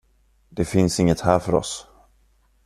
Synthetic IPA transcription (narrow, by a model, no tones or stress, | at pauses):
d̪̥ɛfɪnsɪŋːət̪hæːɾfœɾɔ̰s